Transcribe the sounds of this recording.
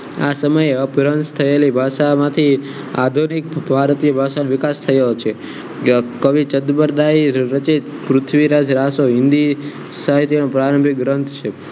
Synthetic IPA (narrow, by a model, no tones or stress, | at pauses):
a̰səməjeəpɾənst̪ʰəelibʱaʃamãt̪ʰi | a̰d̪ʱunik̚bʱaɾt̪ijəbʱaʃanʋɪkast̪ʰəelot͡ʃʰe | kəʋit͡ʃəd̪bəɾd̪aiɾət͡ʃit̪ | pɾʊt̪ʰʋiɾad͡ʒɾasoɦɪnd̪i | saɦit̪inõpɾaɾəmbʱiɡɾənt̪ʰt͡ʃʰe